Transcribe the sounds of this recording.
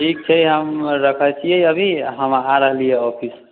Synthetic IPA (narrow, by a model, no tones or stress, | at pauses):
ʈʰik̚t͡ʃʰəiɦəmɾəkʰət͡ʃʰijeəbʱiɦəmaɾəɦlijeɔpʰis